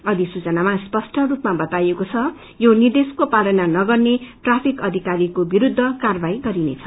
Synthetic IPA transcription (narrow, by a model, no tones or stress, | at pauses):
ʌd̪isut͡sʌnamaspʌsʈʰʌrupmabʌt̪ajekot͡sʰʌ | jonird̪eskopalʌnanʌɡʌrneʈrapʰikʌd̪ʱikaɾikobiɾud̪ʱːʌkarbajɡʌɾinḛt͡sʰʌ̥